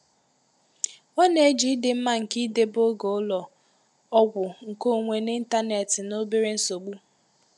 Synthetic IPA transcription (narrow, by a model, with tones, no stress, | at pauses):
ɔ˦ne˨˦d͡ʒi˨˦dɪ˨m̩˦ma˦ŋ̩˨ki˦de˦bo˦ɡo˨˦ʊ˦lɔ˨ | ɔ˦ɡʷʊ˨ŋ̩˨ko˦˨ŋʷe˨nɪ˦n̩˦ta˦ne˨tɪ˨no˦bi˦ɾe˦n̩˦so˨ɡ͡bu˦